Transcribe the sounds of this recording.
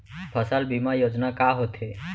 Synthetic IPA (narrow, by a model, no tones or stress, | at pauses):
pʰəsalbimajoːd͡ʒnakaɦot̪ɦe